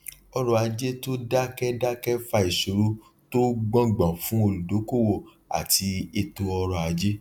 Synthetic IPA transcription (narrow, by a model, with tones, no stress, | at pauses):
ɔ˧ɾɔ˧˨a˧d͡ʒe˦to˦da˦kɛ˦da˦kɛ˦fa˧i˨ʃo˨ɾu˦ | to˦ɡ͡bɔ̃˦ɡ͡bɔ̃˨fũ˦o˧lu˨do˨˦ko˦˨wo˧˨ | a̰˨ti˧e˨to˧ɔ˧ɾɔ˨˧a˨˧d͡ʒe˦